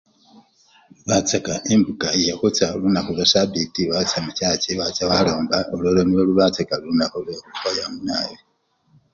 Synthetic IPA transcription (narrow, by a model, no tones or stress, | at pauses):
uβat͡sakaʔembukaakot͡salunakoβasabitiβat͡samucaːceβat͡saβaloːmbaololoniwoluβat͡sekalunaholeakutwajamunaːji